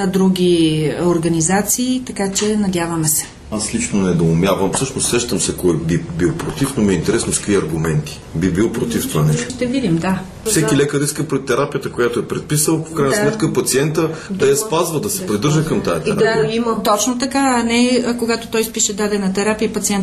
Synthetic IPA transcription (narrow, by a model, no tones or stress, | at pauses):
nɐd̪ɾuɡ̟ʲioɾɡɐnizat̪siːt̪ɐkat͡ʃɛnɐd̪ʲjavɐmɛsɛ̥ | aslit͡ʃnonɛd̪oʊmʲjavɐmfsɤʃnosɾɛʃt̪əmsɛkɔɛbibilˠpɾot̪ifnomiɛint̪ɛɾɛsnoskviɐɾɡʊmɛnt̪i̥ | bibilˠpɾot̪ift̪ovanɛʃt̪oʃt̪ɛvid̪imd̪a | sɛkilɛkəɾiskəpɾɛt̪ːɛɾapijət̪əkojat̪oɛpɾɛt̪̚pisəlˠfkɾajnəsmɛt̪kəpɐt̪siɛnt̪əd̪ɐjɐspazvɐd̪ɐsɛpɾid̪ɤɾʒəkɐmt̪ajɐt̪ɛɾaimt̪ɔt͡ʃnot̪ɐkaɐnɛkoɡat̪ot̪ɔjspiʃɛd̪ad̪ɛnɐt̪ɛɾapiəpɐt̪siɛnt̪